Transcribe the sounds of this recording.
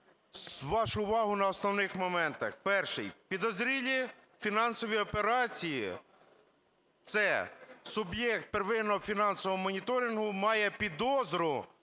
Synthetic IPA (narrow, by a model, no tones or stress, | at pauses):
ʋɑʃʊːʋɑɦʊnɐɔsnɔwnɪxmɔmɛnt̪ɐxpɛrʃɪ̰jpʲid̪ɔzɾʲilʲi | fʲinɑnsɔʋʲijɔpeɾɑt͡sʲijḭ | t̪sɛsʊbjɛkt̪̚peɾʋɪnːɔɦɔfʲinɑnsɔʋɔɦɔmɔnʲit̪ɔɾʲinɦʊmɑjɛpʲid̪ɔzɾʊ